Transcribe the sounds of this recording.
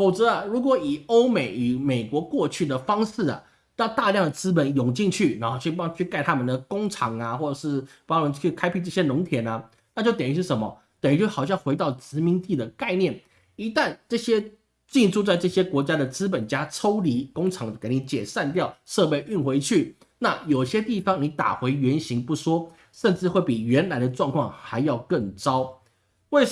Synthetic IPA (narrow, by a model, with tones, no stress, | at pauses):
fo˨˩ʊt͡sɤ˧˦ɐ˨˧ɻu˧˥kwɔ˧˥˦i˨˩o˥ʊme˨˩˦ɪy˨˩me˨˩ɪkwɔ˧˥kwɔ˥˧t͡ɕʰy˥˩d̪ə˩fɑ˥ŋsɹ̩˥˩ɐ̰˩ | t̪ɑ˥˧ʊt̪a˥˧ljɑ˥˩ŋd̪ə˩t͡sɹ̩˥p̬ə˨˦njʊ˨˩ŋt͡ɕi˥˧ŋt͡ɕʰy˥˩na˧˥xo˥˧ʊt͡ɕʰy˥˩pɑ˥ŋt͡ɕʰy˥˧ka˥˩ɪt̪ʰa˥mə˨nd̪ə˩kʊ˥ŋʈ͡ʂʰɑ˨˧˩ŋɐ˨xwɔ˥˩ʈ͡ʂɤ˨˩ʂɻ̩˥˩pɑ˥wɔ˧˥ŋt͡ɕʰy˥˩kʰa˥ɪpʰi˥˧ʈ͡ʂɤ˥˩ɕjɛ˥nʊ˧˥ŋt̪ʰjɛ˨˩˦nɐ˦ | na˥˧t͡ɕjo˥˩ʊt̪ji˧˥ʂɻ̩˥˩ʂə˧˥mɐ̰˧ | t̪ə˨˩n˧˥t͡ɕo˥˩xɑ˨˩ɕjɑ˥˩ŋxwe˧˥ɪt̪ɑ˥˩ʊt͡sɹɻ̩˧˥mi˧˥nt̪i˥˩d̪ə˩ka˥˧ɪnjɛ˥˩n | i˧˥t̪a˥˧nʈ͡ʂɤ˥˩ɕjɛ˥ | t͡ɕi˥˧ʈ͡ʂu˥˧t͡sa˥˧ɪʈ͡ʂɤ˥˩ɕjɛ˥kwɔ˧˥t͡ɕja˥d̪ə˨t͡sɹ̩˥p̬ə˨˩nt͡ɕja˥ʈ͡ʂʰo˥ʊli˧˥kʊ˥ŋʈ͡ʂʰɑ˧˥ŋə˧ke˧˥ɪni˧˥t͡ɕjɛ˨˩ʂa˥˧nt̪̬jɑ˥˨ʊʂɤ˥˧pe˥˧ɪʔy˥˩nxwe˧˥ɪt͡ɕʰy˥˩ | na˥˩jo˨˩ʊɕjɛ˥t̪i˥˩fɑ˨˩ŋni˧˥t̪a̰˨˩xwe˧˥ɪɥɛ˧˥nɕi˧˥ŋpu˥˩ʂwɔ˥ | ʂə˥˧nʈ͡ʂɻ̩˥˧xwe˥˩ɪpi˨˩ɥɛ˧˥nla˧˥ɪd̪ə˧ʈ͡ʂwɑ˥˧ŋkʰwɑ˥˩ŋxa˧˥ɪjɑ˥˧ʊkə˥˩ŋʈ͡ʂɑ˥ʊ | we˥˩